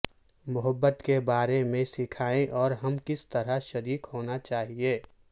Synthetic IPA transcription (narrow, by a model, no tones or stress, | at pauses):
mʊɦəbːət̪kebaːɾemẽsɪkʰaːẽʔɔːɾɦɐmkɪst̪ɐɾaʃɐɾiːkɦoːnat͡ʃaːɦieː